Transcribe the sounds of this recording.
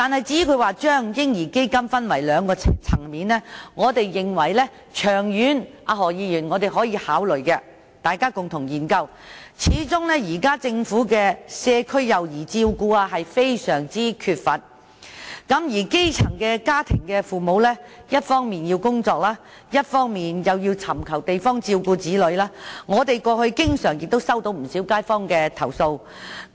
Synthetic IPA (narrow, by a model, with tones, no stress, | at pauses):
t̪aː˨nhɐ˨jt͡siː˨˥kʰɵ˨˧ɥwaː˨t͡ʃœː˥ŋjɪ˥ŋjiː˨˩ke˥jkɐ˥mfɐ˥nwɐ˨˩jlœː˨˧ŋkɔː˧t͡sʰɐ˨˩ŋmiː˨˧nlɛ˥ŋɔː˨˧t̪e˨jːɪ˨ŋwɐ˨˩jlɛ˥ | t͡ʃʰœː˨˩ŋjyː˨˥nʔaː˧ɦɔː˨˩jiː˨˧jyː˨˩nŋɔː˨˧t̪e˨jɦɔː˨˥jiː˨˧haː˨˥wlɵ˨˩ɥkɛ˧ | t̪aː˨jkaː˥kʊ˨ŋt̪ʰʊ˨˩ŋjiː˨˩nkɐ˧w | t͡sʰiː˨˧˥t͡sʊ˥ŋlɛ˥jiː˨˩kaː˥t͡sɪ˧ŋfuː˨˥kɛː˧sɛː˧kʰɵ˥ɥjɐ˨wjiː˨˩t͡siː˧wkuː˧aː˧ɦɐ˨jfe˥jsœː˨˩ŋt͡siː˥kʰyː˧t̚fɐ˨t̚ | kɐ˨˥mjiː˨˩ke˥jt͡sʰɐ˨˩ŋkɛː˧kaː˥t̪ʰɪ˨˩ŋkɛː˧fuː˨mo˨˧wlɛ˥ | jɐ˥t̚fɔː˥ŋmiː˨njiː˧wkʊ˥ŋt͡sɔː˧k̚laː˥ | jɐ˥t̚fɔː˥ŋmiː˨njɐ˨wjiː˧wt͡sʰɐ˨˩mkʰɐ˨˩wt̪e˨jfɔː˥ŋt͡siː˧wkuː˧t͡siː˨˥lɵ˨˧ɥlaː˥ŋɔː˨˧t̪e˨jkɔː˧hɵ˧ɥkɪ˥ŋsœː˨˩ŋjɪ˨k̚t̪o˥wsɐ˥wt̪o˨˥wm̩˨˩siː˨˥wkaː˥jfɔː˥ŋkɛː˧t̪ʰɐ˨˩wso˧w